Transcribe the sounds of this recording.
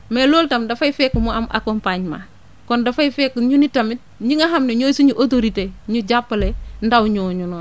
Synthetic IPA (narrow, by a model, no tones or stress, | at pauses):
meloːltamdafaifekːumoamʔa̰kompaɲma̰ | kondafaifekːuɲunitamit̚ | ɲiŋaɦamneɲoːsuɲuʔot̬oɾiteɲuɟapːlendawɲoːɲunoːn